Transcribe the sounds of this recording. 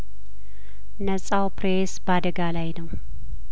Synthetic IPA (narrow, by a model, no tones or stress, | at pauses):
nəsʼawpɾesbad̪əɡalajnəw